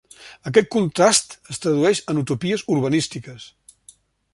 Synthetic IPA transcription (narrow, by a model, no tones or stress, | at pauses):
ək̬ɛt̪̚kunt̪ɾast̪əst̪ɾəð̞uɛʃənut̪upiəzuɾβənist̪ikəs